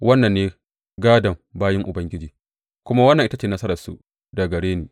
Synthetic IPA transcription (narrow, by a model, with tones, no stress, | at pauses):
wɐ˦nːɐ˨nːeː˦ | ɡaː˦dɐ˨mbaː˦jɪ˦ŋʔʊ˨bɐ˦ŋɡʲɪ˦d͡ʒiː˨ | kʷʊ˦ma˦wɐ˦nːɐ˨ŋʔɪ˦ta˦t͡ʃeː˨nɐ˦sɐ˦ɾɐ˨rsṵ˨ʔ | dɐ˨ɡɐ˨ɽeː˦neː˨